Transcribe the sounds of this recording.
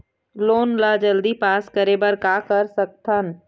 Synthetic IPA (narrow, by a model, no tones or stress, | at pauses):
loːnlad͡ʒəld̪ipaːskəɾebəɾkaːkəɾsək̚t̪ʰən